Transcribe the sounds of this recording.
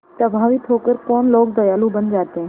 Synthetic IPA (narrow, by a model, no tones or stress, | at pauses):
tɐbʱaːʋiːt̪ʰoːkəɾkoːnloːkd̪ɐjaːlũbənd͡ʒaːt̪ẽː